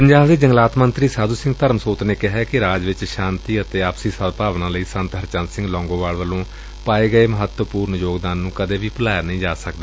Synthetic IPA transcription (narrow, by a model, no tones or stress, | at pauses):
pəɲd͡ʒaːbd̪eːd͡ʒəŋɡlaːt̪mənt̪ɾiːsaːd̪uːsɪ̃ŋɡt̪əɾmsoːt̪neːkɪɦɛːkɪɾaːd͡ʒʋɪt͡ʃʃãːnt̪iːət̪eːaːpsiːsəd̪paːʋnãːləiːsə̃nt̪ɦəɾt͡ʃənsɪ̃ŋɡlɔ̃ːŋɡõːʋaːlʋəlõː | paːeːɡəeːməɦət̪wəpuːɾnjoːɡd̪aːnːũːkəd̪eːʋiːpəlaːjaːnəĩːd͡ʒaːsəkd̪aː